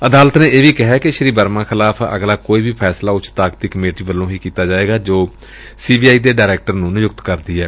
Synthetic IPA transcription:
əd̪aːlət̪nẽːeːʋiːkɪɦɛːkeʃəɾiːbəɾmãːkʰɪlaːpʰə̰ɡlaːkoːiːbʱiːpʰɛːslaːʊt͡ʃt̪aːk̚d̪iːkəmeːʈiːbəlːõːɦiːkiːt̪aːd͡ʒaːeːɡaːd͡ʒoː | siːbiːaːiːd̪eːɖaːɾɛːk̚ʈəɾnũːnɪjʊkt̪kəɾd̪iːɛː

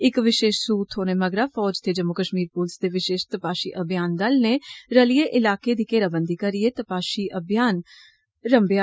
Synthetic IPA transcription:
ɪkʋɪʃeːʃsuːt̪ʰɦoːneːməɡɾaːfɔːd͡ʒt̪eːd͡ʒəmːʊkəʃmiːɾpuːlsd̪eːʋɪʃeːʃt̪əpaːʃḭːʔəbjaːnd̪əlneɾəlieːʔɪlaːked̪iːkeːɾaːbənd̪iːkəɾieːt̪əpaːʃiːʔəbjaːn | ɾəmbja

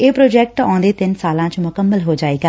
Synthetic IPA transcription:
eːpɾoːd͡ʒɛːk̚ʈãːnd̪eːt̪ɪnsaːlãːt͡ʃmʊkəmːəlɦoːd͡ʒaːeːɡaː

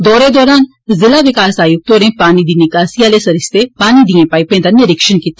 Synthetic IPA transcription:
d̪ɔːɾeːd̪ɔːɾaːn | zɪlaːʋɪkaːsaːjʊk̚t̪oːɾẽːpaːniːd̪iːnɪkaːsijaːleːsəɾɪst̪epaːnid̪iẽːpaːipẽːd̪anɪɾɪkʃənkit̪e

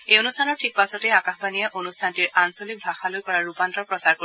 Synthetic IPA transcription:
ejonustʰanɔɹtʰik̚pasɔtɛakaxbanijɛʔonustʰantiɹʔansolik̚bʱɹaxalojkɔɹaɹupantɔpɹɔsaɹko

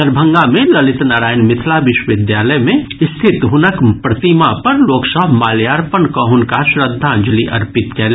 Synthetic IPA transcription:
əɾbʱə̃ŋɡamẽlɐlɪt̪naːɾaːjnmɪt̪ʰlaʋɪʃwəʋɪd̪jaːləjmẽɪst̪ʰɪt̪ɦʊnəkpɾɐt̪imapɐɾloːksəɦmaːljaːɾpənkəɦʊnkaʃɾəd̪ʱːand͡ʒliʔɐ̰ɾpɪt̪kɛːl

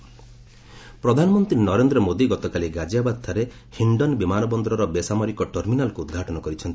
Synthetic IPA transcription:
pɾɔd̪ʱanɔmɔnt̪ɾinɔɾend̪ɾɔmod̪iɡɔt̪ɔkaliɡad͡ʒiabad̪̚t̪ʰaɾe | hiɳɖɔnbimanɔbɔnd̪ɾɔɾɔbesamɔɾikɔʈɔɾminalkuud̪ɡʱaʈɔnɔkɔɾit͡ʃʰɔnt̪i

